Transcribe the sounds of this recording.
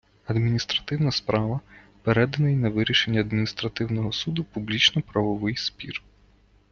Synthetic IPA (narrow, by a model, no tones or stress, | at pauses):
ɐd̪mʲinʲist̪ɾɐt̪ɪwnɐspɾʔɑʋɐ | peɾɛd̪ɐnɐjnɐʋɪɾʲiʃenʲːɐɐd̪mʲinʲist̪ɾɐt̪ɪwnɔɦɔsud̪ʊpublʲit͡ʃnɔpɾɐʋɔʋɪjspʲḭr